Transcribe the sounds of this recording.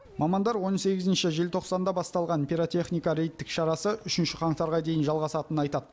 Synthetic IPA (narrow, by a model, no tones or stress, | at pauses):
mɑmɑnd̪ɑɾwo̞nse̞ɡʲɪzɪnʃɪʒelt̪ʰo̞qsɑnd̪ɑbɑst̪ɑlˠʁɑnpʲiɾot̪e̞χnijkɑɾe̞jt̪ːɪkʃɑɾɑsəʔʏʃɪnʃɪqʰɑɴt̪ɑɾʁɑd̪e̞jɪnʒɑlˠʁɑsɑt̪ənɑjt̪ɑd̪